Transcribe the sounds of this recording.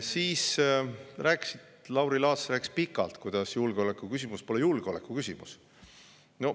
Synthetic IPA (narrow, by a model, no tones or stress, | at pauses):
siːs | ræːkːsit̪lɑwɾilɑːsræːkːispikːˑɑlt̪kujd̪̥ɑsjulɡ̥eo̞le̞kːˑukysʲimuspo̞lejulɡ̥eole̞kːˑukysʲimus | no